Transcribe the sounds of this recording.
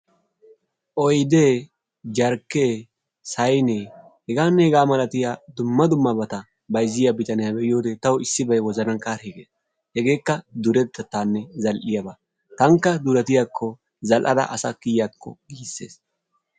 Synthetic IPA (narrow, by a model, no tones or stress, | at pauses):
ʔɔjd̪eː | d͡ʒɐɾkːeː | sɐjne | hɛɡaːnːɛhɛɡaːmɐlɐt̪ɪjaːd̪ʊmːɐd̪ʊmːɐbɐt̪ɐ | bɐjzɪjɐbɪt̪ɐnɪjabɛʔɪjo̞ːd̪ɛt̪ɐwʊɪsːɪbɐjwɔzɐnɐnkaːɾeɡeːs | hɛɡe̞ːkːɐd̪ʊɾɛt̪ːɐt̪ːaːnːɛzɐlʔɪjɐbɐ | t̪ɐŋkːɐd̪ʊɾɐt̪ɪjakʰːɔ | zɐlʔɐ̰d̪ɐ̰ʔɐsɐkɪjjakʰːɔ̰ɡiːsːḛːs